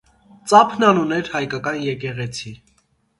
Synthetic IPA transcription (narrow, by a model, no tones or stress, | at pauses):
t͡sɑpʰnɑnunɛɾhɑjkɑkɑnjɛkɛʁɛt͡sʰi